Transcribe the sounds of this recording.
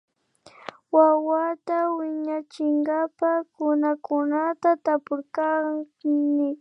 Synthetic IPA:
wawat̪awɪɲat͡ʃɪŋɡapakʊnakʊnat̪at̪apʊɾka | mɪ

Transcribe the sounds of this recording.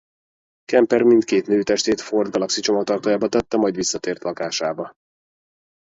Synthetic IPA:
kɛmpɛrmint̪keːt̪nøːt̪ɛʃt̪eːt̪fo̞rd̪ɡɒlɒksit͡ʃo̞mɒkt̪ɒrt̪oːjaːbɒt̪ɛt̪ːɛmɒjd̪visːɒt̪eːrt̪lɒkaːʃaːbɒ

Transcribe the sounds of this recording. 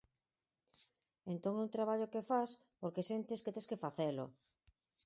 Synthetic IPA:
ẽnt̪oŋɛunt̪ɾaβ̞aʎokefas | poɾkesent̪esket̪eskefaθelo̰

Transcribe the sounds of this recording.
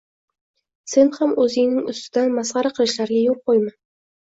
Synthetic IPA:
se̞nhamɵzɪŋnɪŋʊst̪ɪd̪anmasʁɑɾaqʰɨlˠɪʃlaɾɡʲajoq̚qojman

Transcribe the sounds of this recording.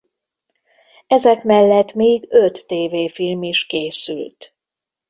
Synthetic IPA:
ɛzɛkmɛlːɛt̪meːɡøt̪ːeːveːfilmiʃkeːsy̰lt̪

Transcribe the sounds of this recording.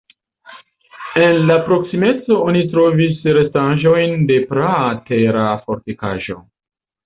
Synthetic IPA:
e̞nlapɾo̞ksime̞t͡so̞onitɾo̞visɾe̞staʒo̞jnde̞pɾate̞ɾafo̞ɾtekaʒo̞̰

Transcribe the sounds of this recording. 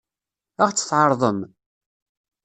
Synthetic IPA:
əʁt͡sːə̥θʕɑɾˤðˤəm

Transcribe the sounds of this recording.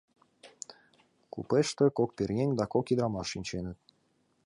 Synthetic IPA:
kṵpeʃt̪ĕkok̚perɣenʲd̪ɑkokid̪ɾɑmɑʃːinʲt͡ɕenə̆t̪̚

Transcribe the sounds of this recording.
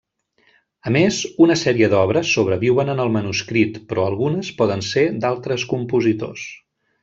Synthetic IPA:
əmezunəsɛɾiəd̪ɔβɾəsːoβ̞ɾəβiwənənəlˠmənuskɾit̪pɾɔəlˠɣunəspɔðənsed̪alˠt̪ɾəskumpuzit̪o̰s

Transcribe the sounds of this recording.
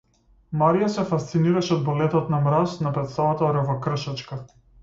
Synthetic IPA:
maɾijasɛfast̪siniɾaʃɛɔd̪̚bɔlɛt̪ɔt̪namɾasnapɾɛt̪st̪avat̪ɔɾəvɔkr̩ʃat͡ʃka

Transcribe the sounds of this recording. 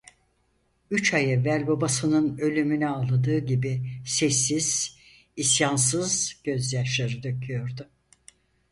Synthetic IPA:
yt͡ʃʰajɛvːælʲbabasɯnɯnø̞lʲymynɛalˠːad̪ɯːɟibisɛsːiz̥ | isjans̬ɯzɟ̥ø̞zjaʃlʲaɾɯd̪øcʰyjo̞ɾd̪ʊ

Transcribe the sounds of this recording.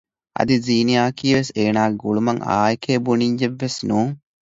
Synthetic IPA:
ɐ̰d̪iziːnijaːkiːʋeseːnaːɡuɭumɐŋa̰ːjkʰeːbuniɲd͡ʒeʋːesnuːŋ

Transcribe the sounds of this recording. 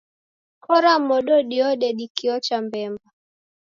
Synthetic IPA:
kɔɾamɔɗɔɗiɔɗɛɗikiɔt͡ʃambɛmba

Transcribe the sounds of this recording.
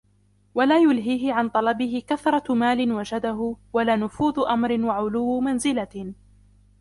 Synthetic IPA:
walaːjʊlɦiːɦɪʕant̪ˤɑlɑbɪɦɪkaθɾˤɑmaːlɪnwad͡ʒad̪aɦʊwalaːnʊfuːðʊʔamɾɪnwaʕʊlʊwːmanzɪla

